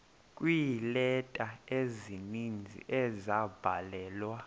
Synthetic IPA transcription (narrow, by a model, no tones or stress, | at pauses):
kʼwilɛtʼaezinind͡zʱḭʔɛzab̥ʱalɛːlwa